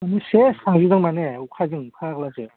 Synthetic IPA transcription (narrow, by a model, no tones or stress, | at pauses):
anɯsesaŋzizaŋmaneukʰazɯŋkʰaklaze